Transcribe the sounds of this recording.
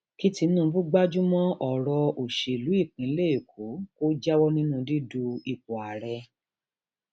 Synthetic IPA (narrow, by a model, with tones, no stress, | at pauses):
ki˨˦ti˧nũ˦˨˧bu˦ɡ͡ba˦d͡ʒu˦mɔ̃˦ɔ˨ɾɔ˧o˨ʃe˨lu˨˦i˦˨k͡pĩ˨˦le˦e˨kʰo˨˦ko˦d͡ʒa˦wɔ˦nĩ˦nũ˧di˦du˧i˨k̚o˨a˨ɾɛ˧